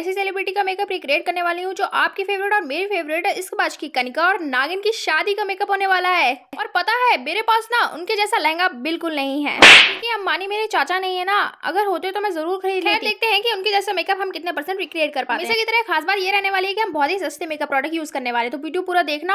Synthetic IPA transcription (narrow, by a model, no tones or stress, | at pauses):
ɛːsiseːlɪbɾɪʈikameːkəpɾiːkɾieːʈ̚kɐɾneʋaːleɦũd͡ʒoːʔaːp̚kifeːʋɾɪʈɔːɾmeːɾifeːʋɾɪʈɪskbaːʃkikɐnɪkaɔːɾnaːɡɪnkiʃaːd̪ikameːkəpɦoːneʋaːlaɦɛːɔːɾpɐt̪aɦɛːmeːɾepaːsnaʔʊ̰nked͡ʒɛːsalɐɦɛ̃ŋɡabɪlkʊlnɐɦĩɦɛ̰ːjõkiɦɐmːaːnimeːɾet͡ʃaːt͡ʃanɐɦĩɦɛnaɐ̰ɡəɾɦoːt̪eɦɛ̃t̪omɛ̃zɐɾuːɾxɐɾiːd̪lɛːd̪eːk̚t̪eɦɛ̃kiʊnkid͡ʒɛːsemeːkəpɦɐmkɪt̪nepɐɾsə̃ɳʈɾiːkɾieːʈ̚kɐɾpaːt̪meːẽsekit̪ɐɾəɦxaːsbaːt̪jeɾɛɦneʋaːliɦɛkiɦɐmbɔːt̪ɦisɐst̪emeːkəpːɾɔːɖək̚ʈjuːzkɐɾneʋaːleɦɛ̃t̪oʋiːɖijopuːɾad̪eːkʰna